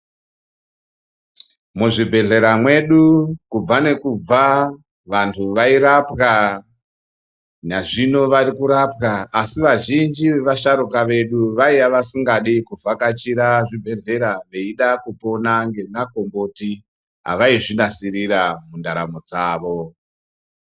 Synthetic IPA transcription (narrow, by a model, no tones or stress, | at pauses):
muʐibʱe̞ɮe̞ɾamwe̞ɗukub͡vane̞kub͡va | ʋantʰuʋaiɾapka | naʐino̞ʋaɾikuɾapkaːsiʋaʒind͡ʒiʋeʋaʃaɾukaʋe̞ɗuʋaijaʋasiŋɡaɗikuvakat͡ʃiɾaʐibʱe̞ɮe̞ɾaʋe̞iɗakupo̞naŋɡe̞nako̞mbo̞ti | ɦa̰ʋaiʐinasiɾiramundaɾa̰mod͡zaːʋo̞